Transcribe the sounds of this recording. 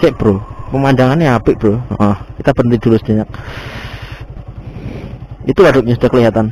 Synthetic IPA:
kɛʔb̥ɾopəmandaŋaniapɪʔb̥əɾoʔɔkit̪ab̥ənid̪̥ulʊsb̥aɲak̚ | it̪uwadʊk̚ɲasu̥d̪akəliɦat̪an

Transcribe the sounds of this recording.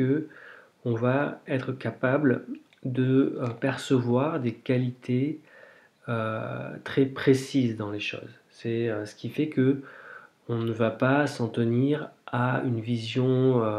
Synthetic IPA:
ə | ɔ̃vaɛt̪χəkapabl | d̪əpɛʁsəvwaʁd̪ekalit̪ʰe | øt̪χɛpχesizd̪ɑ̃leʃo̰z | sɛøsə̥kʲifɛkə | ɔ̃nəvapasɑ̃t̪əniʁaynvizjɔ̃ø

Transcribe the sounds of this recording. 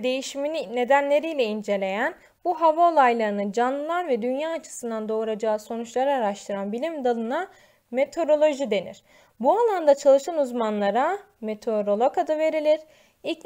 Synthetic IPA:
d̪e̞jiʃiminine̞d̪ænlʲe̞ɾijlʲɛind͡ʒe̞lʲe̞jæn | buɦavaolˠajlˠaɾɯnɯd͡ʒanlˠɯlˠaɾvɛd̪ynjaːt͡ʃʰɯ̥sɯnd̪and̪o̞ɾad͡ʒaːso̞nut͡ʃlˠaɾaːɾaʃt̪ʰɯɾanbilʲimd̪alˠɯna | me̞t̪ʰo̞ɾo̞lˠo̞ʒid̪e̞nḭɾ̥ | bualˠand̪at͡ʃʰalˠɯʃanuzmanlˠaɾa | met̪ʰeoɾo̞lˠokad̪ave̞ɾilʲiɾ̥ | i

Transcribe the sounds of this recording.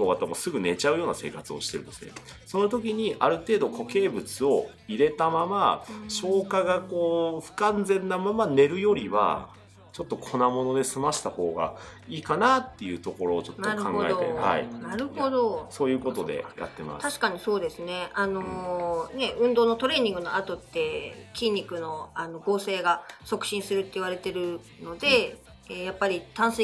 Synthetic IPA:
noɡat̪ːamo̞sɨɡɯ̟ne̞t͡ɕaɯ̟jo̞ːnase̞ːkat͡sɨoɕi̥t̪e̞ɾɯ̟nd̪e̞sɨne̞̰ | so̞no̞t̪o̞kʲiɲ̟iʔaɾɯ̟t̪e̞ːd̪o̞kʰo̞ke̞ːbɯ̟t͡sɨo̞ | iɾe̞t̪amamaɕo̞ːkaɡako̞ːɸɯ̟̥kãnd͡zẽ̞nːamamane̞ɾɯ̟jo̞ɾʲiβa̰ | t͡ɕo̞t̪ːo̞kʰo̞namo̞no̞d̪e̞sɨmaɕi̥t̪aho̞ːɡa̰iːkanat̪ːe̞jɯ̟t̪o̞ko̞ɾo̞ːt͡ɕo̞t̪ːaɾɯã̰ŋoaeoeha̰ḭnaɾɯ̟ho̞d̪o̞so̞ːjɯ̟ːko̞t̪o̞d̪e̞̰ja̰t̪ːe̞̰ma̰st̪aɕi̥kaɲ̟iso̞ːd̪e̞sɨne̞ano̞ne̞ɯ̟̃nd̪o̞ːno̞t̪o̞ɾe̞ːɲ̟ĩŋɡɯ̟no̞at̪o̞t̪ːe̞kʲĩɲʲːikɯ̟no̞ano̞ɡo̞ːse̞ːɡaso̞kɯ̟̥ɕĩɰ̃sɨɾɯ̟t̪ːe̞iβaɾe̞t̪e̞ɾɯ̟ | no̞d̪e̞ | japːaɾʲit̪ãɰ̃s

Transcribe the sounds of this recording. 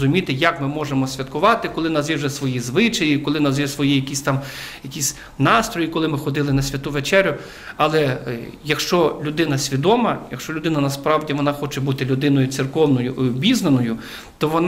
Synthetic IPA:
ʊmʲit̪ɪjɐkmɪmɔʒemɔsʲʋʲɐt̪kʊʋɑt̪ɪkɔlˠɪnɐzjʲɛwʒɛsʋɔjizʋɪt͡ʃɐjikɔlˠɪnɐzjɛsʋɔjijɐkʲisʲt̪ɑmjɐkʲisʲ | nɑst̪ɾɔjikɔlˠɪmɪxɔd̪ɪlˠɪnɐsʲʋʲɐt̪uʋet͡ʃɛɾʲʊ | ɐlˠɛ | jɐkʃt͡ʃɔlʲʊd̪ɪnɐsʲʋʲid̪ɔmɐjɐkʃt͡ʃɔlʲʊd̪ɪnɐnɐspɾɑwdʲiʋɔnɑxɔt͡ʃɛbut̪ɪlʲʊd̪ɪnɔjʊt̪sɪrkɔwnɔjʊbʲiznenɔjʊ | t̪ɔʋɔn

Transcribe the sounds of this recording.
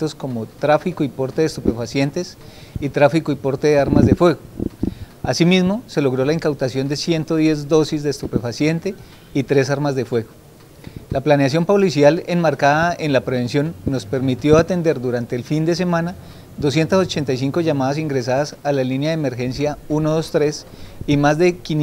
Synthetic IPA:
t̪o̞sko̞mo̞t̪ɾafikoipo̞ɾt̪eðest̪upe̞fasje̞nt̪e̞s | it̪ɾafikoipo̞ɾt̪e̞ðe̞aɾmazd̪efwe̞ɣo | asimizmo̞se̞lo̞ɣɾo̞laiŋkawt̪asjo̞nd̪e̞sje̞nt̪o̞ðje̞zd̪o̞sizd̪eːst̪upe̞fasje̞nt̪e̞ | it̪ɾe̞saɾmazd̪e̞fwe̞ɣo̞ | laplaneas̬jo̞mpo̞lisjale̞nmaɾkaðaenlapɾe̞βe̞nsjo̞nːo̞spe̞ɾmit̪jo̞at̪e̞nd̪e̞ɾd̪uɾant̪e̞ːlfind̪e̞s̬e̞mãna | d̪o̞sje̞nt̪as̬o̞t͡ʃe̞nt̪ajs̬iŋko̞ʝamaðas̬iŋɡɾe̞s̬aðasalalinjaðeme̞ɾxe̞nsjaunoðo̞st̪ɾe̞s | imazd̪e̞kin

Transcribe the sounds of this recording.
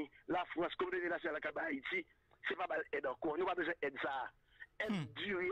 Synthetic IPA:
ĩlafʁɑ̃skomdenẽlasjonalakabaait̪i | sepabalɛd̪ãkɔnũpabøzw̃ɛ̃ʔɛd̪saː | ɛd̪dye

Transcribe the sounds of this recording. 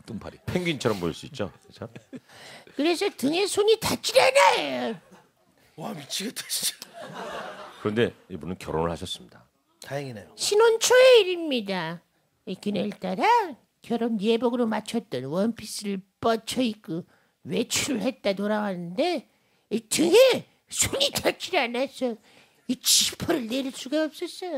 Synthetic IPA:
t͈umpʰa̰ɾipʰeŋɡint͡ɕʰʌɾʌmpoiɭs͈uit̚t͡ɕ͈o̰kesʰʌ | kɯɾe̞sʰʌtɯŋe̞sʰoɲitat͡ɕ͈iɾenaejo | wamit͡ɕʰiɡeteid͡ʑ | kɯɾʌnde̞ibunɯnkjʌɾonɯɭhaɕʰʌs͈ɯmɲida | tajaŋinajoɕʰinont͡ɕʰoeiɾimɲida | ikineɭt͈aɾa | kjʌɾonjebʌɡɯɾomat͡ɕʰʌt͈ʌnwʌnpʰis͈ɯɾɯɭp͈ʌt͡ɕʰʌik͈ɯ | we̞t͡ɕʰuɾɯɭhe̞t̚t͈atoɾawanɯnde̞ | itɯɡe | sʰoɲit͡ɕʌt͡ɕʰiɾanas͈ʌ | it͡ɕipʰʌɾɯɭneɾiɭs͈uɡaʌp̚s͈ʌs͈ʌjo

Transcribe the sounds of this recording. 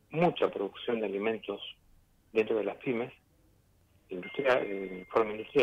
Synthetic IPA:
mut͡ʃapɾoðuksjo̞nd̪ealimẽ̞nt̪o̞s | ðent̪ɾoð̞elaspimes | ind̪ust̪ɾanifoɾmeĩnd̪ust̪ɾja

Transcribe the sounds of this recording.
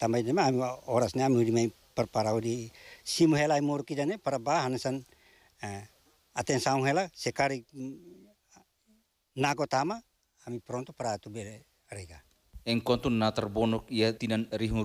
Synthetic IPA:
t̪ambajnemaamiɔɾasneamiudimaj | paɾpaɾaudisimuɦelajmoɾukidanepaɾabaaɦanasan | at̪ensauŋɦelasekaɾi | naɡot̪amaː | mipɾɔnt̪ɔpaɾat̪ube | ɾeɡa | ɛŋkɔnt̪unːat̪arbɔnɔkijat̪inanɾiɦu

